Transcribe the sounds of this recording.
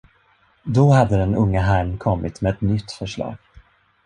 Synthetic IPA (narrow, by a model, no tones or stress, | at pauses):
d̪ɔhad̪ːəd̪ɛnɵŋːaɦæɾmkʰɔmːɪt̪mɛɛt̪nʏt̪ːfœʂɭɑ̰ːɡ̥